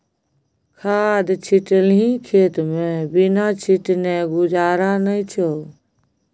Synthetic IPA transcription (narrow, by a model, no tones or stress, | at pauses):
kʰaːd̪t͡ʃʰɪʈəlĩkʰeːt̪mẽbɪnat͡ʃʰiʈneɡʊd͡ʒaːɾanəit͡ʃʰo